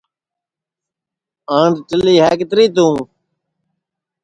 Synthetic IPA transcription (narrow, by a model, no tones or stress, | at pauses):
ãːɳɖʈəliːɦɛːkɪt̪ɾiːt̪ũː